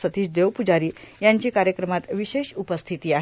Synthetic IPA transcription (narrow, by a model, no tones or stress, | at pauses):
sət̪iːɕd̪eʋpud͡ʑaɾiːjaɲt͡ɕiːkaɾjəkɾəmat̪ʋiɕeɕupəst̪ʰit̪iːaɦ